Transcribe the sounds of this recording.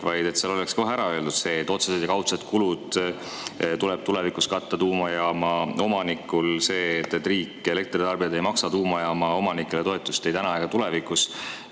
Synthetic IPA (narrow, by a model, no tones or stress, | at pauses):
vɑjd̪̥e̞t̪seɑlo̞leksko̞ɦæɾɑø̞ld̪ud̪̥se̞ːt̪ːˑo̞t̪sese̞d̪jɑkɑwt̪set̪kulud̪̥ | t̪ulɛb̥t̪ule̞vikuskɑt̪ːɑt̪uːmɑjɑmɑo̞mɑnikːulse̞ːt̪ːet̪ːˑriːkːˑele̞k̚t̪rit̪ɑrbijɑd̪ejmɑksɑt̪uːmɑjɑmɑo̞mɑnikːˑe̞le̞t̪o̞e̞t̪ːˑust̪e̞jt̪ænɑɑeɡ̥ɑt̪ule̞vikˑus